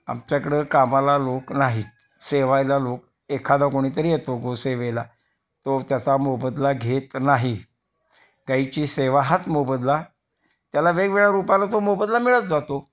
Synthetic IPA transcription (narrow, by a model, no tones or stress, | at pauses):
a̰mt͡ɕjakəɽəkamalaloknaɦit̪ | seʋajlalok | ekʰad̪akoɽ̃iːt̪əɾiːjet̪oɡʱoseʋela | t̪ot̪jat͡samobəd̪laɡʱet̪naɦi | ɡait͡ɕiːseʋaɦat͡smobəd̪la | t̪jalaʋeɡʋeɭaɾupalat̪omobəd̪lamiɭət̪̚d͡zat̪o